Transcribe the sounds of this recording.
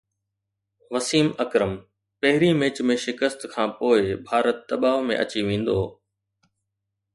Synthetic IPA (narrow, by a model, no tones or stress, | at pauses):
ʋɐsiːmɐkɾəm | pɐɦɪɾimẽːt͡ɕmẽʃɪkəst̪kʰãːpoːɪbʱaːɾət̪̚d̪ɐɓaːʋmḛ̃ʔɐ̰t͡ɕiʋẽːn̆d̪oː